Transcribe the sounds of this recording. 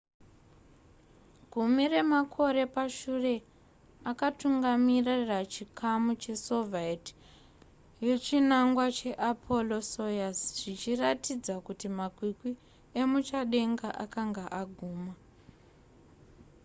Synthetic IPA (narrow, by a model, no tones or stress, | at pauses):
ɡʱumire̞makʰo̞ɾe̞paʃure̞ | akatuŋɡamirarat͡ʃikʰamut͡ʃe̞so̞vaeti̥ | je̞t͡ʃinaŋɡwat͡ʃe̞ʔapʰo̞lo̞so̞jast͡ʃʐit͡ʃiratid͡zakutimakwikwi | emut͡ʃaɗe̞ŋɡaʔakaŋɡaʔaɡʱuːma